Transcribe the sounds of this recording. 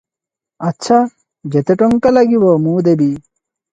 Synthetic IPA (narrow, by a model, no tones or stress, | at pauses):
ɐtːɕʰa | d͡ʑet̪eʈoŋkɐlɐɡiwomuːd̪ebi